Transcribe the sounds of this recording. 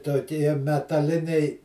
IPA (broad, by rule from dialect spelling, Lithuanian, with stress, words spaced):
toːˈkʲiɛ mʲɛtɐˈlʲɪnʲɛɪ